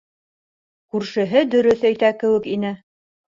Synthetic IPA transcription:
kʉɾʃɘ̆ɦɘd̪ɵ̆ɾɵθæjt̪ækɘ̆wɘ̆kinɘ

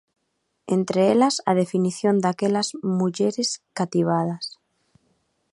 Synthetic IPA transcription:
ent̪ɾeelasa̰ð̞e̞finiθjo̞nd̪akelazmuʝeɾe̞skat̪iβ̞að̞as

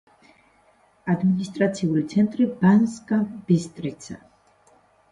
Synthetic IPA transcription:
ad̪minist̪ʼɾat̪sʰiulit̪sʰɛnt̪ʼɾibanskʼabist̪ʼɾit̪sa̰

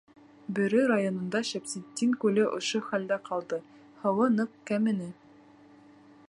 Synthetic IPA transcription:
bɘ̆ɾɘɾajonŏnd̪ɑʃæpsit̪ʲːiŋkʉlɘʔŏ̰ʃoχæld̪æqʰɑlˠd̪ɤ | hɤ̆wɤnɤq̚kæmɘ̆nɘ

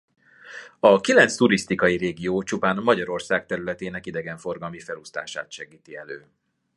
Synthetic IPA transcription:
ɒkilɛnt̪st̪uɾist̪ikɒjiɾeːɡioːt͡ʃupaːnmɒɟɒɾo̞rsaːk̚t̪ɛɾylɛt̪eːnɛkid̪ɛɡɛɱfo̞rɡɒlmifɛlust̪a̰ːʃa̰ːt̪ʃɛɡiːt̪iɛløː

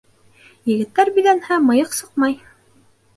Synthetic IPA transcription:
jɘ̆ɡɘ̆t̪ːæɾbilænhæmɤ̆jɤqsɤqmɑj

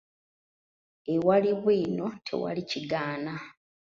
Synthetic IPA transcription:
ewaliβwiːno̞tʰe̞̰wa̰liciɡaːna

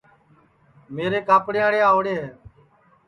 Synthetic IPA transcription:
meːɾeːkaːpɽɪjaːɽejaːɦoːɽeːɦeː

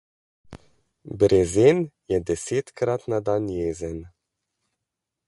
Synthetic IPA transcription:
bɾezenjɛd̪ɛseːt̪kɾat̪nad̪anjeːzɛn

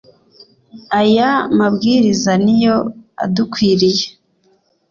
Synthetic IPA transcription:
ajamabɡiːɾizanijoa̰dukwiːɾije

